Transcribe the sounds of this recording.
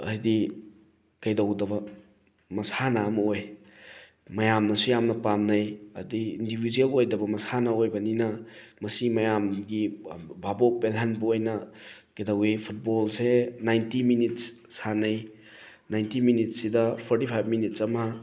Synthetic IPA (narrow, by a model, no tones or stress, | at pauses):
ɐ̰di | kɐjdɐwdɐbɐ | mɐsanaːmɐoj | mɐjamnɐsujamnɐpamnɐjɐdiindibidielojdɐbɐmɐsanɐojbɐninɐmɐsimɐjamɡibʱabopelɦanbɐojnɐkɐjdawepʰut̚bolsenajntiminits | sanɐj | najntiminit̚sidɐpʰɔɾtipʰajb̚minitsɐmɐ